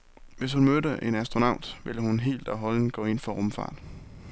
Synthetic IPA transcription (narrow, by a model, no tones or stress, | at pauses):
ʋe̝shunmøɾəʔe̝næsd̥ʁonɑ̈ʊ̰d̥ʋe̝ləhunɦe̝̰ːld̥ɒɦɒ̽ln̩ɡ̥ɔ̰ːe̝n̰fɒ̽ʁɔmfɑ̰̈ːd̥